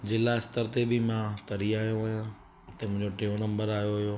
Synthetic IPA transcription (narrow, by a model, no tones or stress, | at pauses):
d͡ʑeːlaɪst̪əɾt̪ebɪmãt̪ɐɾiaːɦijõʋɐɦjã | t̪ɐmʊ̃ɦɪ̃ɲd͡ʑoʈeːonɐ̃mbəɾaːɦjoɦʊjoː